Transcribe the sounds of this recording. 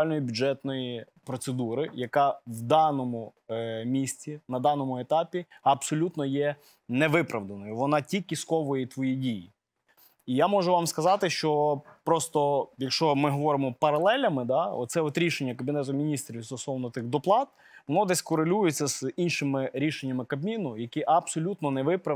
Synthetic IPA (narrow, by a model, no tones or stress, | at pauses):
lʲnɔjibʲud͡ʒɛt̪nɔji | pɾɔt̪sed̪uɾɪjɐkɑʋd̪ɑnɔmʊ | mʲisʲt͡sʲinɐd̪ɑnɔmʊet̪ɑpʲiɐbsɔlʲut̪nɔjɛ | nɛʋɪpɾɐʋd̪ɐnɔjʊʋɔnɑtʲikʲːiskɔʋɔjet̪ʋɔjidʲiji | ijamɔʒʊʋɑmskɐzɑt̪ɪʃt͡ʃɔpɾɔst̪ɔjɐkʃt͡ʃɔmɪɦɔʋɔɾɪmɔpɐɾɐlˠɛlʲɐmɪd̪ɑɔ̰t̪sɛɔt̪ɾʲiʃenʲːɐkɐbʲinɛt̪̬ʊmʲinʲist̪ɾʲiwst̪ɔsˠɔwnɔt̪ɪxd̪ɔplˠɑt̪̚ | ʋɔnɔd̪ɛsʲkɔɾelʲujet͡sʲːɐz̥inʃɪmɪɾʲiʃenʲːɐmɪkɐbmʲinʊjɐkʲiʔɐbsɔlʲut̪nɔnɛʋɪpɾɐ